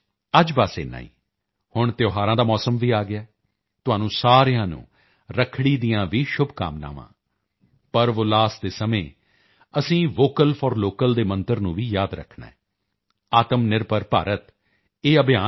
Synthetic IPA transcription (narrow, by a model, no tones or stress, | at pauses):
əd͡ʒbaːsḛːna̰ːḭː | hʊɳt̪joːɦaːɾãːd̪aːmɔːsəmʋiːaːɡɪaː | t̪ʊɦãːnũːsaːɾɪjãːnṵ̃ː | ɾəkʰɽiːd̪ijãːʋiːʃʊbka̰ːmna̰ːʋã̰ː | pəɾʋʊlaːsd̪eːsəmẽː | əsĩːʋoːkəlpʰɔːɾloːkəld̪eːmənt̪əɾnũːʋiːjaːd̪ɾə̰kʰɳa̰ːɛː | aːt̪əmnɪɾpəɾpa̰ːɾət̪ | eːəbɪjaː